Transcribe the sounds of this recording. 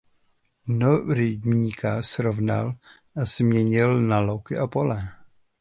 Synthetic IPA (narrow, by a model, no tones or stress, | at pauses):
noɾɪɟmɲikʰasɾovna̰l | ʔazmɲɛɲɪlnalowkɪʔapo̞lɛ